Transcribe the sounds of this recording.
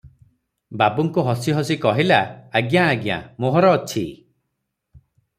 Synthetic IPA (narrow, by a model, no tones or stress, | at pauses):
babuŋkuɦɔsiɦɔsikɔɦilaːɡjaːɡja̰moɦɔɾɔːt͡ʃʰi